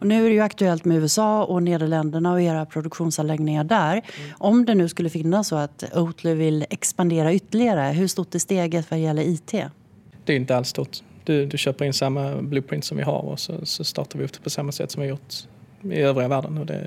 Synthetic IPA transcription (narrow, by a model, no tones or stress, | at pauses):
ɔnʉ̟ːæɾɛjɵakt̪ɵɛlt̪mɛʉ̟ːɛsɑːɔneːd̪əɭɛnd̪əɳaɔeːɾapʰɾʊd̪ɵkɧuːnsanlɛɡnɪŋaɖæːɾʔɔmd̪ɛnʉ̟ːskɵlːəfɪnːasːɔat̪oːt̪ʰləvɪlːɛkspand̪eːɾaʏt̪ːəɭɪɡaɾəɦɵʂt̪ʊt̪̚ːd̪ɛst̪eːɡət̪vaɾjɛlːəɾiːt̪ʰḛː | d̪ɛɾɪnt̪əalst̪ɔt̪ːd̪̥ɵd̪ɵɕøːpəɾɪnsamːabluːpʰɾɪnt̪sɔmvɪ̰ɦa̰ɾɔ̰sɔ̰sɔst̪ɑ̰ːʈ̪aɾvɪɔt̪ʰpʰɔsamːasɛ̰t̪ːɔmvɪhajʊʈ | ɪ̰øːvɾɪɡavæːɖənɔd̪ɛ̰